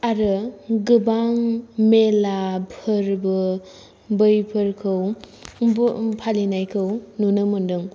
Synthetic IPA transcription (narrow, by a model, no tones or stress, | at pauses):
aɾɯɡɯbaŋmelapʰɯɾbɯ | bɯjpʰɯɾkʰɯw | bpʰalinajkʰɯwnunɯmundɯŋ